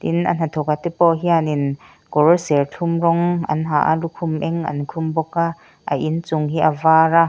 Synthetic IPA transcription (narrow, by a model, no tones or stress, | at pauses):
t̪ḭnʔɐ̰n̥ɐt̪ʰɔkat̪ɛpɔʔɦianin | kɔɾɔsɛrt͡ɬʰumrɔŋɐ̰nɦaʔa̰lukʰumʔɛŋʔɐ̰nkʰumbɔka | ʔa̰ʔint͡suŋɦiʔavaːra